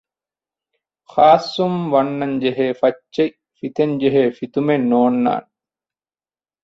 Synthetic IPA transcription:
xaːsːumʋɐnːɐɲd͡ʒeɦeːfɐt͡ʃt͡ʃːej | fit̪eɲd͡ʒeɦeːfit̪umenːoːnːa̰ːn

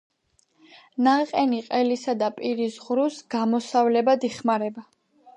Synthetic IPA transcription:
naqʼɛniqʼɛlisad̪apʼiɾisʁɾusɡ̥amɔsavlɛbad̪iχmaɾɛba

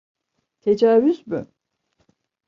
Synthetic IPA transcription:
t̪ʰed͡ʒaːvyzby̰

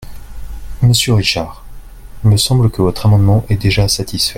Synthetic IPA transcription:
məsjøʁiʃaːʁ | ilməsɑ̃bləkəvɔt̪χamɑ̃d̪mɑ̃ʔɛd̪eʒasat̪ʰisfɛ

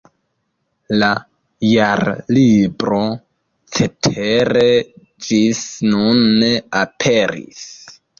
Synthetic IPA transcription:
la | jaɾlibɾo̞ | t͡se̞tʰeɾe̞ | d͡ʒisnunːeapʰe̞ɾḭs

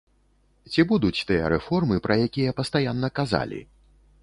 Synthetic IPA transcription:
t͡sʲibud̪ut͡sʲt̪ɨjɐɾɛfɔrmɨpɾɐjakʲijɐpɐst̪ajanːɐkaza̰lʲḭ

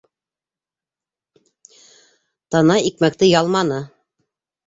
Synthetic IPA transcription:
t̪ɑnɑik̚mæk̚t̪ɘjɑlˠmɑnɤ

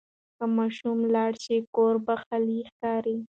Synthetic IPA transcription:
kəmɑʃumlɑɽʃikoɾbaxalixkɑɾi

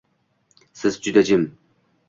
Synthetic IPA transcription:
sɪzd͡ʒʊd̪ad͡ʒɪm

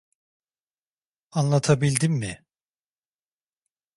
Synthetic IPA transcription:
anlˠat̪ʰabilʲd̪imːɪ

